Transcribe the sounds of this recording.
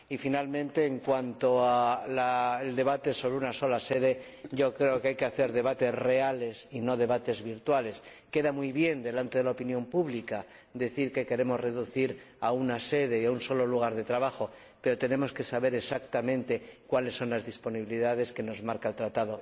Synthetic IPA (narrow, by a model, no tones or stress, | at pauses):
ifinalmẽnt̪e̞ːŋkwant̪o̞alaeld̪e̞β̞at̪e̞so̞βɾeunaso̞lase̞ð̞e̞ | ɟ͡ʝo̞kɾeokajkeaθe̞ɾðe̞β̞at̪e̞sre̞ale̞sino̞ðe̞βat̪e̞zβiɾt̪wale̞ske̞ðamujβje̞nd̪e̞lant̪e̞ðelaopinjo̞mpuβlika | d̪eθiɾke̞ke̞ɾe̞mo̞zre̞ðuθiɾaunase̞ðe̞iaunso̞lo̞luɣ̞aɾðe̞t̪ɾaβaxo̞ | pe̞ɾo̞t̪e̞nẽ̞mo̞ske̞saβe̞ɾe̞sakt̪amẽ̞nt̪e̞kwalesːo̞nlazðispo̞niβiliðaðe̞ske̞no̞zmaɾkaelt̪ɾat̪aðo̞